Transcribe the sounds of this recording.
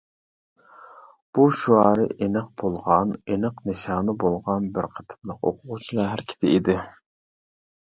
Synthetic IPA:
b̥uʃuɑːɾɨʔenɨq̚b̥olˠʁɑnenɨqnɨʃɑːnɨbolˠʁɑnbɪɾqʰə̥t̪ʰɨ̥plˠəqo̰qʰʊʁʊt͡ʃʰilˠɑɦæɾkʲʰɪ̥t̪ʰɪid̪ɪ

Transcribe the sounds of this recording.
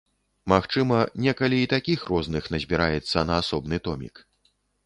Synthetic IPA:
maxt͡ʂɨmɐnʲɛkɐlʲiːt̪akʲixrɔznɨxnɐzʲbʲiɾajɛt̪sːɐnɐːsɔbnɨt̪ɔmʲḭk

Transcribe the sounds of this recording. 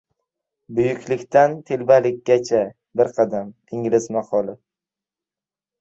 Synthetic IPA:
bʊjʊkʲʰlɪkʲt̪ʰant̪ʰelbalɪkʲːat͡ʃʰa | bɪɾqʰɑd̪am | ɪŋlɪzmaqɒlɪ

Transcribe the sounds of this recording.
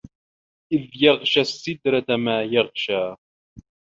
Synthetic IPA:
ʔɪðjɑʁʃasːɪd̪ɾat̪amaːjɑʁʃaː

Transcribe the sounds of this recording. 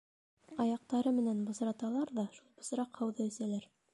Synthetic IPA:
ɑjɑq̚t̪ɑɾɤmɘ̆nænbɤ̆sɾɑt̪ɑlˠɑɾðɑʃulˠbŏsɾɑqhɑwðɤɵ̆sælæɾ

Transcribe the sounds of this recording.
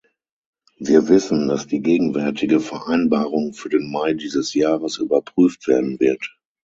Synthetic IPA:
viːɐvɪsn̩dasd̥iːɡeːɡŋ̩vɛɐtʰɪɡəfɛɐʔaɪnbaːʁʊŋfyːɐdenmaɪdiːzəsjaːʁəsʔyːbɐpʁ̥yːftv̥eːɐdn̩vɪɐt

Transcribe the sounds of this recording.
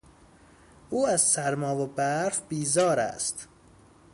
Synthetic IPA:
ʔuːæzsæɾmɒːvobæɾfbiːzɒːɾæ̰st̪

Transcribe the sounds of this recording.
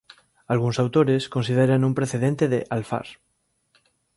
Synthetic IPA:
alɣ̞unsawt̪o̞ɾesko̞nsið̞eɾanũmpɾe̞θe̞ðent̪eðeʔalfa̰ɾ

